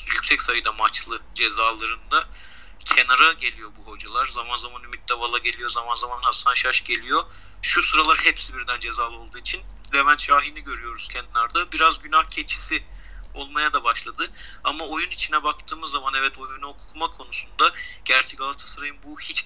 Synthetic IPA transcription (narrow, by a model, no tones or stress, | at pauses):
jycʲsɛcsajɯd̪amat͡ʃlˠɯd͡ʒe̞zaːlˠaɾɯnd̪a | cʰe̞naɾaɟe̞lʲijo̞buɦo̞d͡ʒalˠaɾzamanzamanymit̪̚d̪avalˠaɟe̞lʲijo̞zamanzamanaslɯnd̪aʃaʃɟe̞lʲijo̞ | ʃusɯɾalˠaɾhɛpsibiɾd̪ænd͡ʒe̞zaːlˠo̞lˠd̪uːit͡ʃʰinvɛbænʃaːɦiniɟø̞ɾyjo̞ɾuz̥cʰɛnd̪ilʲæɾd̪abiɾazɟynahcʰe̞t͡ʃʰi̥si | o̞lˠmajad̪abaʃlˠad̪ɯ | amao̞junit͡ʃʰinɛbak̚t̪ʰɯːmɯzːamanɛvɛt̪o̞junuokʰu̥kʰumakʰo̞nusund̪aɟ̥æɾt͡ʃʰɛcalˠat̪ʰḁsaɾajɯnbuhit͡ʃ